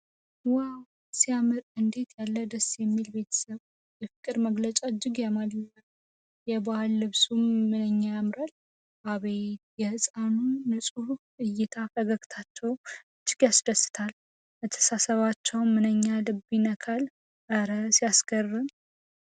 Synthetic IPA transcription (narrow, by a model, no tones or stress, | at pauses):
waw | sijamɨɾɨnd̪e̞t̪ʰjalːəd̪əsjɛmːilbe̞t̪ʰə̥səβ | jɛfɨkʼɨɾməɡlət͡ʃʼaɨd͡ʒːɪɡjamalə | jɛbahlːɨβsumːɨnəɲːajamɾal | ʔaβejt̪jɛhɨsʼanunɨsʼuʔɨjːɪt̪ʰafəɡəkt̪ʰat͡ʃːɛwɨd͡ʒːɪɡjasd̪əsːɨ̥t̪ʰal | bət̪ʰːə̥sasəβat͡ʃːɛwmɨnəɲːalɨbinəkʰal | ʔəɾəsjaskərːɨm